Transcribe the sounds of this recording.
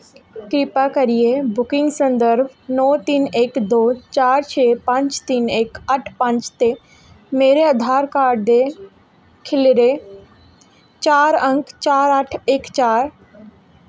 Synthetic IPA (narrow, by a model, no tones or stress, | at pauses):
kɾɪpakəɾijebʊkɪ̃ŋɡsə̃nd̪əɾbnɔːt̪inekd̪oːt͡ʃaːɾt͡ʃʰeːpə̃ɲt͡ʃt̪inekəʈʰpə̃ɲt͡ʃt̪e | meːɾeəd̪ʱaːɾkaːɾɖd̪e | kʰɪlɾe | t͡ʃaːɾə̃ŋkt͡ʃaːɾəʈʰekt͡ʃaːɾ